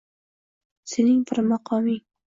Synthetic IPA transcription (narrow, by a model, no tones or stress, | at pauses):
senɪŋbɪɾmɑqʰɒmɪŋ